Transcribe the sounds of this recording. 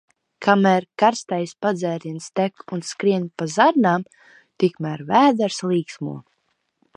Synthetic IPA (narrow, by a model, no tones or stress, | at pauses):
kʰamæːɾkaɾst̪ajspad̪zɛːɾʲinst̪ɛkunskɾiɛnpazaɾnaːm | t̪ikmæːɾvæːd̪ɛɾslˠiːksmṵɔ